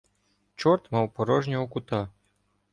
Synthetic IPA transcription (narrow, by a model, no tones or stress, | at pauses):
t͡ʃɔrt̪mɐwpɔɾɔʒnʲɔɦɔkʊt̪a